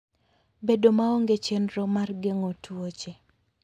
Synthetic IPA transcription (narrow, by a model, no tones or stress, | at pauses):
bedomaoŋɡet͡ʃenɾɔmarɡeŋotuot͡ʃe